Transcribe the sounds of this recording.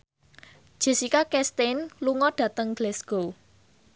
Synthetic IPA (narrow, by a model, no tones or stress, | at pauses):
ʒ̥e̤sikakɛst̪enluŋɔɖ̥ä̤t̪əŋd̥lɛsɡ̥o